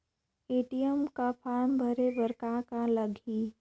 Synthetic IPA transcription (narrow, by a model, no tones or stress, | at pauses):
eːʈijəmkapʰaːɾmbʱəɾebəɾkãkãləɡʱi